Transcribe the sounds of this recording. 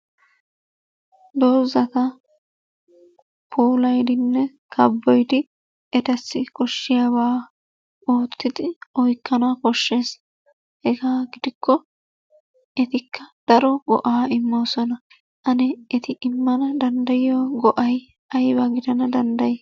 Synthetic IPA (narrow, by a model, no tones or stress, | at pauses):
d̪o̞ːzɐt̪ɐ | pʰoːlɐjd̪ɪnːɛ | kʰɐbːɔjd̪ɪ | ɛt̪ɐsːɪkʼɔʃːɪjabaː | oːt̪ːɪd̪ɪɔjkːɐnaːkɔʃːe̞ːs | hɛɡaːɡɪd̪ɪkːɔ | ʔɛt̪ɪkːɐd̪̥ɐɾɔɡɔ̰ʔaːɪmːoːsɔnɐ | ʔɐnɛɛt̪ɪʔɪmːɐnɐd̪ɐnd̪ɐjɪjoɡɔʔɐj | ɐjbɐɡɪd̪ɐnɐd̪ɐnd̪ɐj